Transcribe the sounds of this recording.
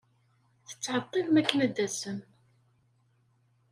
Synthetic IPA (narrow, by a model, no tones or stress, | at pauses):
θə̥t͡sːʕɑt̪ˤːiðmækːənæd̪ːæsən